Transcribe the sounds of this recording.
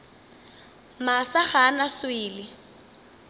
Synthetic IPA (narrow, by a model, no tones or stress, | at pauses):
masaχanaswiːlɪ